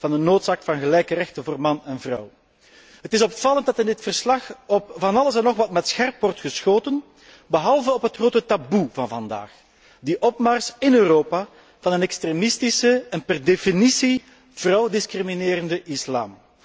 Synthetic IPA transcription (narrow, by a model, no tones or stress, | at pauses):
v̥ɑndənoːtsaːkfɑnɣəlɛjkərɛxtənvoːrmɑnɛnvrʌw | ɦətɪsɔpfɑlˠəntdɑtɪndɪtfərslɑxɔp̚vɑnɑləsɛnɔxʋɑtmɛtsxɛrpwɔrtxəsxoːtən | bəɦɑlˠvəɔpɦətxroːtətabuvɑnvɑnda̰ːx | diʔɔpmɑrsɪnøːroːpa | vɑnənɛkstremɪstisəɛnpɛrdefinisi | v̥rɑwdɪskrimineːɾəndəʔɪsla̰ːm